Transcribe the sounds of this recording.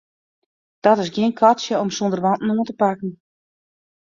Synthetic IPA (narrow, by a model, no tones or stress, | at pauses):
d̥ɔtɪsɡiənkʰɔtsjəɔmsondərʋɑntn̩oəntəpakən̩